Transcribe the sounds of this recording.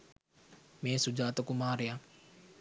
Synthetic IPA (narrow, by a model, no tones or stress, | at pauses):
mẽːsud͡ʒaːt̪əkumaːɾeja